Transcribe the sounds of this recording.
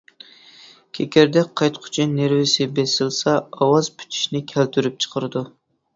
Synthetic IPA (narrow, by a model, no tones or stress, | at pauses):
kʲʰekʲæɾd̪ɛk̚ʲqʰɑjt̪qʰʊ̥t͡ʃʰineɾvɪsɪbesɪlsɑɑwɑzpʰy̥t̪ʰi̥ʃnɪkʲʰælt̪ʰyɾyp̚t͡ʃʰə̥qʰəɾɨd̪u